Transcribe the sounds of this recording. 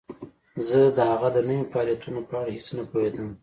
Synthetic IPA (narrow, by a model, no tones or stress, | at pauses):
zəd̪əhaɣad̪ənəwofɑljat̪ʰunopəaɽahesnapohed̪əm